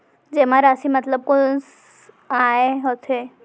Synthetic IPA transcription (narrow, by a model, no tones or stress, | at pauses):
d͡ʑemaɾasimət̪ləb̚kons | aeɦot̪ʰe